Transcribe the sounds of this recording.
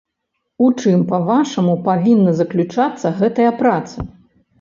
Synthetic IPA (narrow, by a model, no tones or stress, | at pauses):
ut͡ʂɨmpɐvaʂɐmupavʲinːɐzɐklʲut͡ʂat̪sːɐɣɛt̪ɐjɐpɾat̪sɐ